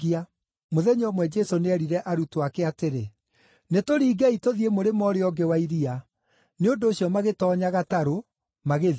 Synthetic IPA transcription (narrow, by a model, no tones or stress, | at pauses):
ia | moðɛɲɔmwɛd͡ʒɛsoneɛɾiɾɛʔaɾutoakɛateɾe | netoɾiːɡaitoðiemoɾemɔɾeɔɡewaiɾia | neondoːɕjɔmaɣetɔɲaɣataɾo | maɣe